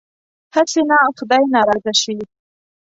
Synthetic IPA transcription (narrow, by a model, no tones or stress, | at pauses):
hasenaxʊd̪ajnɑɾɑzaʃi